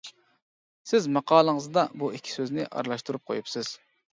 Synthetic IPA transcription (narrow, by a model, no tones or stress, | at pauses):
sɪzmɑqʰɑːlˠəŋəzd̪ɑbuikʲʰi̥søznɪʔɑ̰ɾlˠɑʃt̪uɾup̚qʰo̰jupsɨz̥